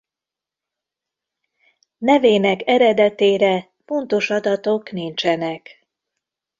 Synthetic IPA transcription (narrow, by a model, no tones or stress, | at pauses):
nɛveːnɛkɛɾɛd̪ɛt̪eːɾɛ | fo̞nt̪o̞ʃɒd̪ɒt̪o̞knint͡ʃɛnɛk